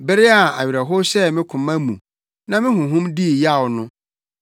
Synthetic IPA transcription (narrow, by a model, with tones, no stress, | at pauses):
bɪ˦ɾɪ˦a˨a̰˨ɥɾa˨ɦʊ˦sɛ˦˨mɪ̃˦kʰʊ̃˨mã˦mṵ̃˨ | nã˦mɪ̃˦ɦʊ̃˨ɦʊ̃˦mdi˦˨ja˦˨wnʊ̃˦